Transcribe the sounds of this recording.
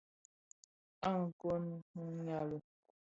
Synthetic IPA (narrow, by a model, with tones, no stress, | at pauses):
a˦ŋ̩˨ko˦n˦h̩˦ɲa˦lu˨